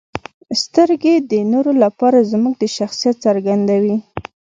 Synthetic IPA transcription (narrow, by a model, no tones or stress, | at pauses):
st̪əɾɡed̪ənoɾolapɑɾazmuɡ̚d̪əʃaxsijat̪̚saɾɡand̪awi